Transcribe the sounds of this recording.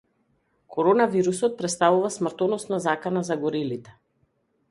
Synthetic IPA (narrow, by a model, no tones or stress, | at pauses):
kʰɔɾɔnaviɾusɔt̪̚pɾɛt̪st̪avuvasmr̩t̪ɔnɔsnazakanazaɡɔɾilit̪ɛ̥